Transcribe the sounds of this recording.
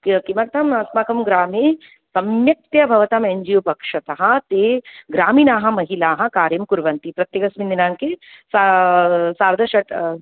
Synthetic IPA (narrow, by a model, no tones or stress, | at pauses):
kkimɐɾt̪ɐmɐsmakɐmɡɾaːmeː | sɐmjɐk̚t̪jɐbʱɐʋɐt̪ɐmeɲd͡ʒijupɐkʂɐt̪ɐɦɐ̆t̪eːɡɾaːmiːnaːɦɐ̆mɐɦilaːɦɐ̆kaːɾjɐmkuɾʋɐnt̪ipɾɐt̪jɐkɐsmind̪inaːŋkesa | saːɾd̪ʱɐʃɐʈ